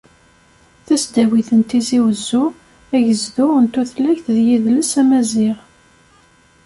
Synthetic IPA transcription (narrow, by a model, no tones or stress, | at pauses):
θæsd̪æwiθənt̪iziwəzːu | æʝəzðunt̪uθlæçθðjiðləsæmæzɪʁ